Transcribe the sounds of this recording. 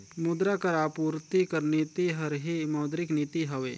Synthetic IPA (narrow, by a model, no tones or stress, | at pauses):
mud̪ɾakɐɾaːpuːɾt̪ikəɾniːt̪iɦɐɾɦimɐːd̪ɾɪkniːt̪iɦɐʋeː